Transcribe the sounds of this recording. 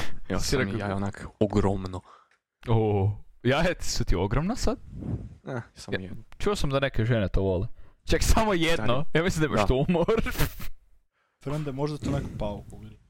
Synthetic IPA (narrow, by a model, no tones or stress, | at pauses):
ɛsiɾeajonakoɡɾomno | ojaet̪sut̪ioɡɾomnasad̪̥ | asat͡ʃuosamd̪anekeʒenet̪oʋolet͡ʃaksamojed̪nojamislimnd̪aimaaʃt̪oumoɾ | fɾənd̪ɛmoʒd̪at̪onekopaukoil